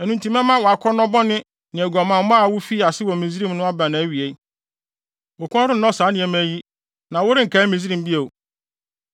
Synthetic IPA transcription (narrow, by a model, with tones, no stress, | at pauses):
ɛ˨nũ˨ntũ˦mɛ̃˦mã˦wɔ˨a˨kʰɔ˦nɔ̃˦bɔ˦nɪ̃˦ | nɪ̃˨ɛ˨ɡɔ˨mã˨m˦m˦a˦˨wʊ˦fi˦˨a˨sɪ˦wɔ˨mĩ˨zɾĩ˦mnʊ̃˦a˦bã˨nã˨˦ɥi˨e˨˦ | wʊ˨kʰɔ̃˦ɾɪ˦ɔ̃˦saː˨˦nɪ̃˨ɛ˦m˦æ˦ji˦ | nã˨wʊ˦ɾɪ˦ŋ̩˨kʰa˦mĩ˨zi˦ɾĩ˨m˦bi˦e˨o˨